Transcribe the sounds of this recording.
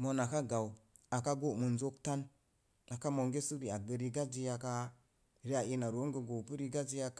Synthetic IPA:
mo˨na˨ka˦ɡa˨w | a˨ka˦ɡo˦˨mə˨nzo˦kta˦n | a˨ka˦mo˨ŋɡe˦su˦ɾi˨a˨ɡə˨ɾi˦ɡa˦d͡ʒi˦ja˨ka˦ | ɾi˦a˨ʔi˦na˨ɾo˨˦ɡə˨ɡo˨pə˦ɾi˦ɡa˦d͡ʒi˦ja˦

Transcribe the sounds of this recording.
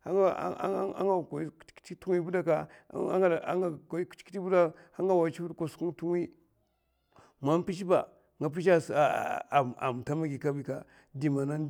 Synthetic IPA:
a˦ŋa̰˦a̰˦ŋa˦˨kt͡ʃtu˦ŋi˦bu˦da˦ka̰˦ŋ˦˨a̰˦ŋḁ˦˨˦t͡ʃki˦i˦bu˦da˦ha˦ŋɡa˦wa˨t͡ʃi˦bdko˨sku˦ŋ˦tu˦ŋ˦i˦ | ma˦m˦pi˦ʃ̬i˦ba˨ | ŋɡa˨p̬i˦ʃ̬a˦sa̰˨m˨ta˦ma˦ɡi˨ka˦bi˨ka˨ | di˨ma˨na˦n˦

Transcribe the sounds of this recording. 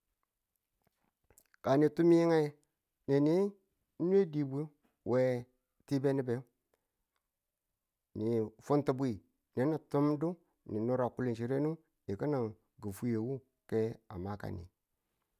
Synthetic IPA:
ka˨ni˨tu˦m˦ji˦ŋa˦ | ne˨ni˦ | nʷ˦e˦di˨bi˦ | wʔe˨ | ti˦be˦ni˦be˨˦ | ni˨fu˦nti˨bu˦i˨ | ne˨˦ni˨tu˦mdu˦ | ni˨nu˦ɾa˨ku˦li˨nʃ̬i˨ɾe˦nu˦ | i˨ki˦na˨ | ɡu˨fu˦je˨wu˦ | ke˦a̰˨ma˦ka̰˨nḭ˨

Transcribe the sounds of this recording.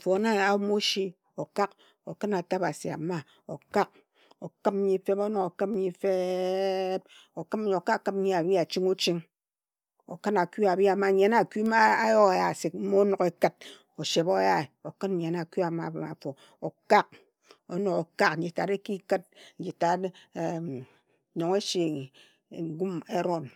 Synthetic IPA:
fo˨˦na˦a˦mo˦ʃi˦ | o˨ka˦k | o˨kɨ˦na˨ta˦pa˨si˨a̰˨ma˦ | o˨ka˦k̚ | o˨kɨ˦m˦ɲi˦fe˦po˦no˨ko˨kɨ˦m̩˦ɲi˨fe˦ | p̚ | o˨kɨ˦m˦˨o˨ka˦kkɨ˦m̩̚˦ɲi˦a˨bi˦a˨t͡ʃi˦ŋu˦t͡ʃi˦ŋ | o̰˨kɨ˦na˨ku˦a˨bi˦a˨ma˨ɲe˨na˦˨ku˦ma˦a˦jo˦a˨ja˨si˨k̚m̩˦mo˦no˨ke˦kɨ˦t̚ | o˨ʃe˨bo˦ja˦e˨o˨kɨ˦n̩˨ɲe˨na˨ku˦a˨ma̰˨ma̰˨fo˨ | o˨ka˦k̚ | o̰˦no˨o˨ka˦kn̩˨d͡ʒi˨ta˨ɾe˦ki˦kɨ˦t̚n̩˨˦d͡ʒi˨ta˨t | ɲo˨ŋe˦ʃi˨ | ŋ̩˦ɡu˦me˦ɾo˦˨n

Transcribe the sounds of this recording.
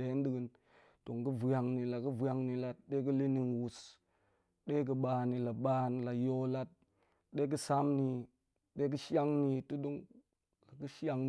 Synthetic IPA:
e˨˦ndi˦ɡə˨n | to˨ŋkə˦va˨ŋni˨la˨kə˦va˨ŋni˨la˦t̚ɗe˦k̬ə˦li˦ni˨nwu˨s | ɗe˦k̬ə˨ɓa˨ni˨la˨ɓa˦n˨la˨jo˦la˦t̚ | ɗe˦k̬ə˦sa˦mni˨ | ɗe˦k̬ə˦ʃa˦ŋni˨tu˦do˦ŋ | la˨kə˦ʃa˦ŋ˨

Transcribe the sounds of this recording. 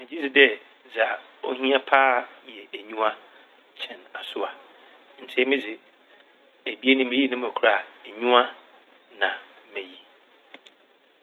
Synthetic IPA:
mɛ̃˨d͡ʑi˦d͡zɪ˨dɛ˦ | d͡za˨ | o˦ɦĩ˦a˦pʰaː˦jɛ˨ʔæ˨ɲũ˦ã˦ | t͡ɕʰɛ̃˨na˨sʊ˦a˨ | n̩˨tʰe˦mɪ̃˦d͡zɪ˨ | æ˨bi˦e˦nʊ̃˦mẽ˦ji˦nʊ̃˦m˨æ˨kʰu˨ɾa˨æ˨ɲũ˦a˦ | nã˨ | mɛ̃˨ji˦

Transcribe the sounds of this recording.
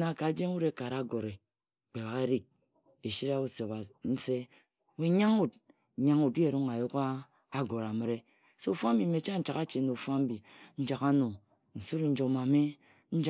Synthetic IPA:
na˨ka˨˦d͡ʒe˦ŋ˦u˦ɾe˦ka˨ɾa˨˦ɡo˨ɾe˨ | k͡pe˨βa˨ke˦ɾi˦k̚ | e˨ʃi˦ɾa˦u˦se˨ba˨n̩˦se˦ | we˨˦ɲa˦ŋu˦d | ɲa˦ŋu˨di˦e˨ɾu˦ŋa˨jo˦ka˦ | a˦ɡo˨ɾa˨mi˨ɾe˦ | so˦u˨fa˦m̩˦bi˨me˨˦t͡ʃa˦n̩˦t͡ʃa˨ka˦t͡ʃe˨˦no˨u˨fa˦m̩˦bi˨n̩˦d͡ʒa˨ka˦no˨ | n̩˨su˦ɾn̩˦d͡ʒo˨ma˨me˦ | n̩˦d͡ʒ

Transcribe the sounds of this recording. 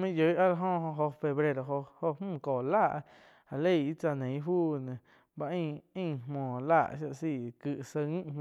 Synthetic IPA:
mĩ˦˨jə˨˦ʔa˦la˧ɦõ˧ɦõ˧ɦo˧fe˧βɾe˧ɾo˨ɦo˧ho˧hmũ˦˨koː˨laː˦˨ʔ | a˨le˦˧˨i˦t͡sa˧˨nẽ˨˦fuː˦nẽ˨ | ba˧ʔĩ˦˧˨ĩ˦˧˨mɔ̃ː˨laː˦˧˨ʔʃja˧ʔsiː˧˨kɨ˧ʔsə˧ŋĩ˦ʔm̃˨

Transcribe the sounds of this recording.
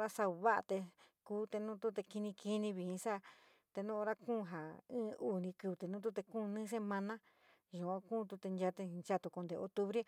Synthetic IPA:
ɾa˦sa˧u˧βa˦ʔa̰˧t̪e˧kuː˦t̪e˧nũ˦t̪u˦t̪e˧ki˧nĩ˧ki˧nĩ˧βi˧ĩ˧sa˦˧ | t̪e˧nũ˦o˧ɾa˦kũː˦˨˧ɦa˨ɨ̃ː˦ʔu˦˨nĩ˧kɨ˧βt̪e˨˧nũ˦t̪̬u˦t̪e˧kũː˦˧nɨ̃ː˦s̬e˧mã˧nã˦ | ʒũ˨ã˧kũː˦˨˧t̪u˧t̪e˧nd͡ʒa˧t̪e˧nt͡ʃa˧t̪u˧ko˧nd̪e˨o̰˧t̪u˧βɾe˦

